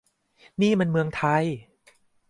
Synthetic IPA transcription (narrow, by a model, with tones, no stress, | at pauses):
niː˥˩me˧nmɯ˧əŋt̪ʰa˧j